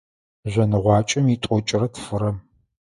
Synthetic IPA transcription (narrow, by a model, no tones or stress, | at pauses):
ʑʷɐnɨʁʷɑːt͡ʃʼɐmiːtʷʼɔt͡ʃʼɪrɐtʰfɨɾɐm